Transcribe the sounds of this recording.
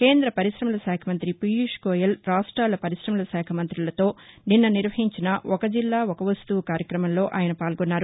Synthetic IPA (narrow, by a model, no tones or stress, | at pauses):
ke̞ːnd̪ɾɐpɐɾiʃɾɐmulɐsɛːkʰɐmɐnt̪ɾipijuʂkoːjɐlɾaːʂʈɾaːlɐpɐɾiʂɾɐmulɐsɛːkʰɐmɐnt̪ɾilɐt̪o̞ːninːɐniɾʋɐɦiɲt͡ʃinɐɔkɐd͡ʒilːaːɔkɐʋɐst̪uʋɐkaːɾjɐkɾɐmɐmlo̞ːʔaːjɐnɐpaːlɡɔnːaːɾu